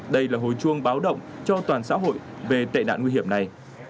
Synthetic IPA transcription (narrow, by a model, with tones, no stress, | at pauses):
ɗə˧jlaː˨˩ɦo̰˧˨jt͡ɕu˧əŋɓaː˨˦wɗə̰˧˨wŋ͡mt͡ɕɔ˧t̪waː˨˩nsa̰ː˧˥ɦo̰˧˨jʔ | ve˨˩t̪a̰˧˨jɗa̰ː˧˨ŋwi˧ɦi˧˩əmna˨˩j